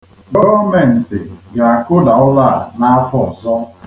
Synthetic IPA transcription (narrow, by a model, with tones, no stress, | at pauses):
bo˦o˦me˨n̩˨tɪ˨ɡa˨a˨kʊ˦da˨ʊ˦la˦˨na˦fɔ˦ɔ˨zɔ˦